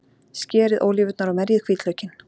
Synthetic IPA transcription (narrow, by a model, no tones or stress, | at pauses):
scɛːɾɪðʔo̰ːwlivʏt̪naɾawmɛɾjɪðkʰviːt̪lœɥcɪn